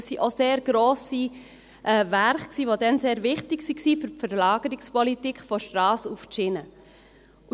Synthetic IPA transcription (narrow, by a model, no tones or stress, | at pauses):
ssiʔoseːɾɡ̥ɾoːsi | ʔɛːvæɾχksiːʋodɛnseːɾvɪχtɪksiksifʏɾfəɾlɑːɡ̥əɾikspɔlitikʰfɔʃtɾɑːsuft͡ʃɪnə | ʔu